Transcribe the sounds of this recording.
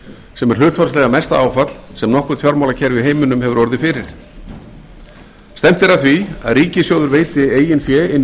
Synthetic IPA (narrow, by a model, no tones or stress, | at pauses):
sɛmɛɾ̥hʏːt̪ʰfɔɾslɛɣamɛst̪aaːwfat̪lsɛmnɔhkʏ̥θʰjɔɾmawlacʰɛjɾvɪðɦeːjmʏnʏmɦhɛvʏɾɔɾðɪfɪɾɪɾ̥ | st̪ɛm̥t̪ɪɛɾaθvia̰ðriːcɪsjoːwðʏɾveːjt̪ɪeːjɪnfjɛːɪn